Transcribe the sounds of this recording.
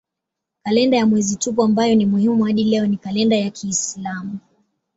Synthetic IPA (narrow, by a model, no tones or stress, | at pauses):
kalɛndajamwɛzitup̬ɔambajɔnimuhimuhaɗilɛɔnikalɛndajakʰiːslamu